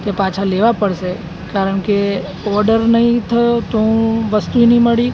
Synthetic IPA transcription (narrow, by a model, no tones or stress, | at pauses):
t̪epãt͡ʃʰaleʋapəɽʃe | kaɾəɳ̃ke | ɔɾɖəɾnəɦĩt̪ʰəjot̪oɦũʋəst̪uinĩməɽi